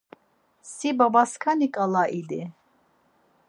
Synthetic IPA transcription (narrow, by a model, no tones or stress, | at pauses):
sibabaskʰanikʼalaʔid̪i